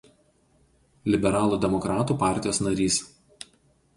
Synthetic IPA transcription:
lʲɪbʲɛɾɑːlˠuːd̪ʲɛmɔkɾɑːt̪uːpɑˑɾʲt̪ʲɪjoːsnɐɾʲiːs

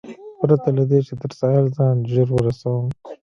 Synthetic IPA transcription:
pɾat̪alad̪et͡ʃed̪əɾsɑːjalzɑːnʒeɾwəɾasawəm

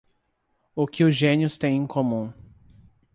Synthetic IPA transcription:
ʊkɪʊzʒẽniʊst̪ẽj̃ẽkʰõmũ

